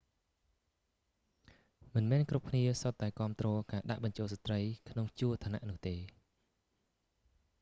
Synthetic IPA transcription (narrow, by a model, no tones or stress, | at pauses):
mɨnmɛːnkrup̚kʰniəsot̪ːaɛkŏəmt̪rɔːkaːɗa̰ʔɓɑɲt͡ɕoːlsat̪rəjkʰnoŋt͡ɕuət̪ʰaːna̰ʔnʊ̆əht̪eː